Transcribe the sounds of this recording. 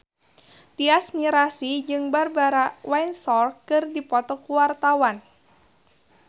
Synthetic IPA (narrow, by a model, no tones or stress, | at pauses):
t̪iasniɾasid͡ʒɨŋbarbaɾawajnsɔrkːɨrdipɔt̪ɔkuwart̪awan